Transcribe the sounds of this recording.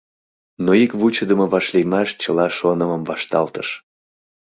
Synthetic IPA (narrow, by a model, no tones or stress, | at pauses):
noikβut͡ɕəd̪əməβɑʃlejmɑʃt͡ɕəlɑʃonəməmvɑʃt̪ɑlt̪əʃ